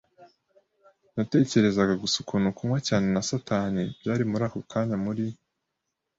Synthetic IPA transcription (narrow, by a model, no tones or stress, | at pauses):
nate̞ːce̞ɾe̞zaɡaɡusukunukʰumwacaːne̞nasataːnebjaːɾimuɾaːkokʰaːɲamuɾi